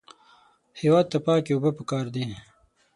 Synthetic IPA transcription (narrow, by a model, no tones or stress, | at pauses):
hewɑːd̪̚t̪apɑːkeubəpəkɑːɾd̪i